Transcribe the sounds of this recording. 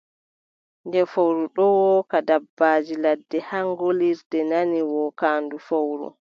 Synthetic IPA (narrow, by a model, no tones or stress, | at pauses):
ndɛfowɾuɗɔwɔːkadabːaːd͡ʒiladːɛhaŋɡoliɾdɛnaniwɔːkaːndufowɾṵ